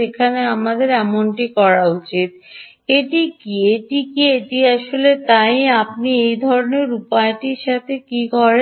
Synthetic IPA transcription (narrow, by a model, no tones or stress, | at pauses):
ekʰaneamad̪eɾɛmonʈikɔɾaut͡ɕit̪̚ | eʈikieʈikieʈiaʃolet̪ajap̚niejd̪ʱɔɾoneɾupaeʈiɾʃat̪ʰekikɔɾe